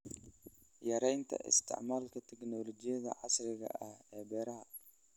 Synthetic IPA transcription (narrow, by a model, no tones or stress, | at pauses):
jɐɾɛjnt̪ʰɐ̰ʔɪ̰st̪ʰɪ̰ʕmaːlkʰɐt̪ʰɛɡnɔːlɔt͡ʃɪjɐðɐ̰ʕɑsrɪɣɐ̰ʔɐhɛːbɛːɾɐɦɐ